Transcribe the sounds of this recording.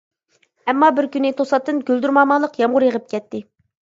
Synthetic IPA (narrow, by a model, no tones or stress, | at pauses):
ɛmːɑbɪɾkʲynːɪt̪ʰosɑt̪ːɨnɡʲøld̪yɾmɑmɑlˠəqjɑmʁʊɾjəʁəp̚kʲʰɛt̪ʰːɪ